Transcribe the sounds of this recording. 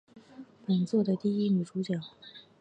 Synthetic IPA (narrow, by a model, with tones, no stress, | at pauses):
pə˨˩nt͡swɔ˥˩d̪ə˩t̪i˥˩i˥mi˨˩ʈ͡ʂu˧˥t͡ɕjɑ˨˩˦ʊ